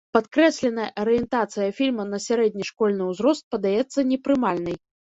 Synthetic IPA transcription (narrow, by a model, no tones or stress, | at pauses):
pat̪kɾɛsʲlʲɛnɐjɐʔɐɾɨjɛnt̪at̪sɨjɐfʲilʲmɐnɐsʲaɾɛd̪ʲnʲiʂkɔlʲnɨwzɾɔst̪̚pɐd̪ajɛt̪sːɐnʲɛpɾɨmalʲnɨj